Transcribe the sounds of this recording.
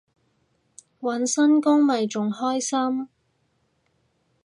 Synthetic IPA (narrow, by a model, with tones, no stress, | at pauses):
wɐ˨˥nsɐ˥nkʊ˥ŋmɐ˨jt͡ʃʊ˨ŋhɔː˥jsɐ˥m